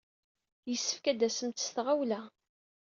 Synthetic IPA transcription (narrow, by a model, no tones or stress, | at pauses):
jəsːəfkæd̪æsəmt̪ə̥st̪ʁawlæ